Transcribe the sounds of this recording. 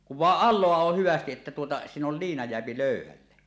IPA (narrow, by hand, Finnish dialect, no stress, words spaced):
kuʋ ʋɑˑeʔ ʔɑlˑoɑ oh hyʋæstiʔ ʔetːæ tuotɑ siːn ol liːnɑ jeæpi løˑyhælːe